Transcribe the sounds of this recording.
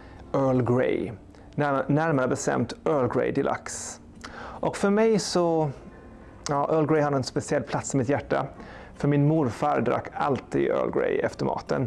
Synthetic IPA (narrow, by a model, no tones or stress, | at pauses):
œːɭɡɾḛj | næɾmaɾəbɛst̪ɛ̰mt̪ʔœːɭɡɾḛjd̪ɪlʔa̰ks | ʔɔkfœɾmɛjsɔ | ɑːʔœːɭɡɾɛjhad̪əɛnspɛsɪɛlpʰlat̪sɪmɪt̪jæʈːa̰ | fœɾmɪnmuːɾfɑːɾd̪ɾa̰kːalt̪ḭːɡ̪œ̰ːɭɡɾḛjɛ̰ft̪əɾmɑ̰ːt̪ə̰n